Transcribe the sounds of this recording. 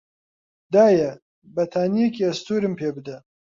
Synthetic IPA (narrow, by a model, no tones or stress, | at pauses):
d̪aːjɐ | bɐt̪ʰaːnijekiːɐst̪uːɾɨmpʰeːbɨd̪ɐ